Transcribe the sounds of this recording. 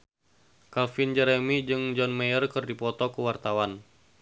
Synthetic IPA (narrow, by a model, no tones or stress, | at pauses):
kalfind͡ʒɛɾɛmid͡ʒɨŋd͡ʒɔnmejərkɨrdipɔt̪ɔkuwart̪awan